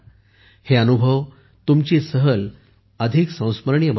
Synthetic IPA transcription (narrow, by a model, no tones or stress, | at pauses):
heənubʱəʋ | t̪umt͡ɕisəɦəl | əd̪ʱiksə̃w̃sməɾɳjəm